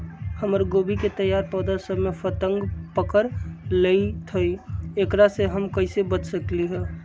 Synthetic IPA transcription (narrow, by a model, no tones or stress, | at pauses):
həməɾɡoːbiket̪əjːaːɾpɔːd̪asəbmefʰət̪ə̃ŋɡpəkəɾleit̪ʰoiekɾaseɦəmkəɪsebət͡ʃsəkliɦɛː